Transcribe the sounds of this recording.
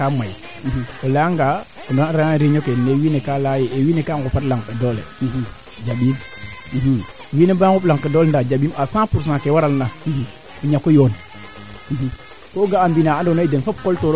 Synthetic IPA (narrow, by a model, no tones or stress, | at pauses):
amaj | iholaŋɡa | ndoaɾaaɾiɲokenewinekalajeʔewiːnekaɡupatlaŋkedolḛihi | d͡ʒaɓim | iɦiwiːnebaɡuplaŋkedolndad͡ʒaɓimasãpuɾs̬nakewaɾalnaihi | uɲakojon | ihi | koɡaːmbinaandonaidenfop̚koltoɾ